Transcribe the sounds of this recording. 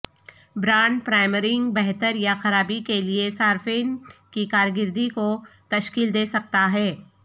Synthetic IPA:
bɾaːɳɖpɾaːɪməɾɪ̃ŋɡbɛɦt̪əɾjaxɐɾaːbikeliesaːɾfeːnkikaːɾɡɪɾd̪ikot̪ɐʃkiːld̪eːsɐk̚t̪aɦɛː

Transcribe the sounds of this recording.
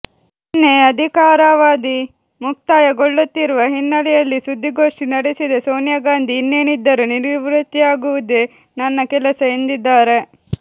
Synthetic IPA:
inːeɐd̪ʱikaːɾaʋaːd̪i | muk̚t̪aːjɐɡoɭːut̪ːiɾuʋɐɦinːɐlɛjɐlːisud̪ːiɡo̞ːʂʈinɐɽesid̪esoːnjɐɡaːnd̪ʱiːnːeːnid̪ːɐɾuniɾʋiʋɾut̪ːiaːɡuʋud̪e | nɐnːɐkɛlɐsɐend̪id̪ːaːɾe̞

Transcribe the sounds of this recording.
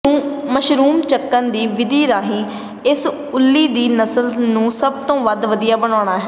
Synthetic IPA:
ũːməʃɾuːmt͡ʃəkːənd̪iːʋɪd̪iːɾaːɦĩː | ɪs | ʊlːiːd̪iːnəsəlnũːsəb̚t̪õːʋəd̪ʋəd̪ijaːbəɽaːɽ̃aːɦɛː

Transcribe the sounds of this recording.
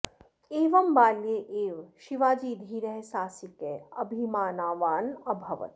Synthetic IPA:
eːʋɐmbaːljeʔeːʋʃiʋaːd͡ʒiːd̪ʱiɾəɦsaːsikeːɐbʱimaːnaːʋaːnɐbʱɐʋɐ̰t̪

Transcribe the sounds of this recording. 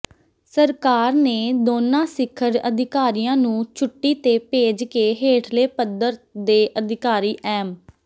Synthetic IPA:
səɾkaːɾneːd̪oːnãːsɪkʰːəɾə̰d̪ɪkaːɾijãːnũːt͡ʃʰʊʈːiːt̪eːpeːd͡ʒkeːɦeːʈʰleːpəd̪əɾd̪eːʔəd̪ʱɪkaːɾiːʔɛːm

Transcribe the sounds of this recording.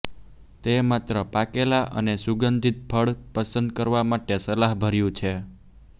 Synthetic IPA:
t̪emat̪ɾəpakelaʔə̰nesuɡənd̪ʱit̪̚pʰəɭpəsənd̪̚kəɾʋamaʈesəlaɦbʱəɾjũt͡ʃʰe

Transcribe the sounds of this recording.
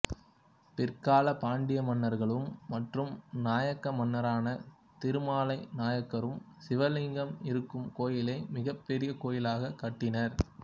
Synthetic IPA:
pɪrkaːlɐpaːɳɖɪjɐmɐnːɐɾɣɐɭɯmːɐʈrɯmnaːjɐkːɐmɐnːɐɾaːnɐ | t̪ɪɾɯmaːlɐɪnaːjɐkːɐɾɯm | sɪʋɐlɪŋɡɐmɪɾɯkːɯmkoːjɪlɐɪmɪɣɐpːɛɾɪjɐkoːjɪlaːɣɐkːɐʈːɪnɐɾ

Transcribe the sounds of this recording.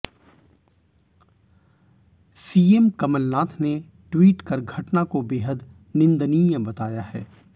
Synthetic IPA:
siːemkɐməlnaːt̪ʰne | ʈwiːʈkɐɾɡʱɐʈnakobeːɦəd̪ | nɪ̃nd̪nijəbɐt̪aːjaɦɛ̰ː

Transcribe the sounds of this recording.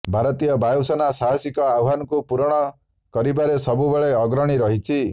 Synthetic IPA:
bʱaɾɔt̪ijɔbajosɔnasaɦɔsikɔawɦanɔkupuɾɔɽ̃ɔ | kɔɾibaɾesɔbubeɭeɔɡɾɔɽ̃iɾɔɦit͡ʃʰi

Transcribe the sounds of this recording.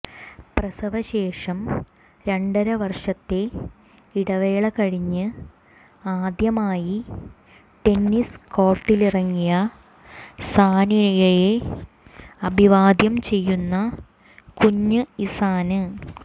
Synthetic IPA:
prɐsɐʋɐɕe̞ːʂɐm | ɾe̞ɳɖɐɾɐʋɐrʂɐt̪ːe̞ | iɽɐʋe̞ːɭɐkɐɻiɲːɨ | aːd̪jɐmaːji | ʈe̞nːisko̞ːʈːilirɐŋːijɐ | saːniɻɐjɐje | ɐbʱiʋaːd̪jɐmt͡ɕe̞jːunːɐ | kuɲːɨisaːnɨ

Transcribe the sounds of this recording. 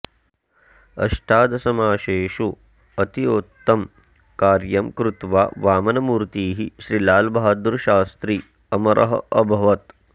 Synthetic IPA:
ɐ̰ʃʈʰaːd̪ɐsɐmaːʃeːʃu | ɐt̪iot̪ːɐm | kaːɾjɐmkɾut̪ʋa̰ːʋaːmɐnɐmuːɾt̪iːɦiʃɾilaːlbaɦɐd̪uɾʃaːst̪ɾi | ɐmɐɾʔɐ̰ɦɐ̰ʔɐbʱɐʋɐt̪

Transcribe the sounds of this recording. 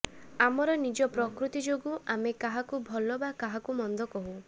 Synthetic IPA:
amɔɾɔnid͡ʒɔpɾɔkɾut̪id͡ʒoɡuamekaɦakubʱɔlɔbakaɦakumɔnd̪ɔkɔɦu

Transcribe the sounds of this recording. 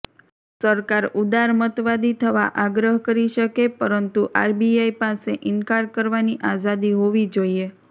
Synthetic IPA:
səɾkaɾud̪aɾmət̪ʋad̪it̪ʰəʋaʔaɡɾəɦkəɾiʃəkepəɾənt̪uʔaɾbiajpaseʔɪnkaɾkəɾʋaniʔazad̪iɦoʋid͡ʒoie

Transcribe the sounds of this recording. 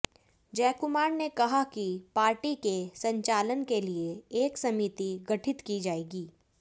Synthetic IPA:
d͡ʒɛːkʊmaːɾnekɐɦakipaːɾʈikesɐ̃ɲt͡ʃaːlənkelieeːksɐmiːt̪iɡɐʈʰɪt̪kid͡ʒaːeːɡiː

